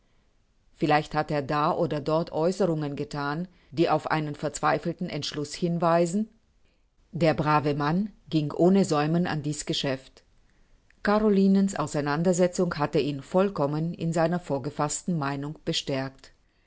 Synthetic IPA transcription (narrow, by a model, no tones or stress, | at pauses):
fɪlaɪçthateːɐdaːʔoːdɐdɔɐtʔɔʏsəʁʊŋənɡətʰaːn | d̥iːʔaʊfʔa̰ɪnənfɛɐt͡sv̥aɪfl̩tn̩ɛ̰ntʃlʊshɪnvaɪzn̩ | deːɐbʁaːvəmanɡɪŋʔoːnəzɔʏməna̰ndiːsɡ̥əʃɛft | kaʁoliːnənsʔa̰ʊsaɪnandɐzɛt͡sʊŋhatəʔiːnfɔlkʰɔmənɪ̰nzaɪnɐfoːɐɡəfastn̩maɪnʊŋb̥əʃtɛɐkt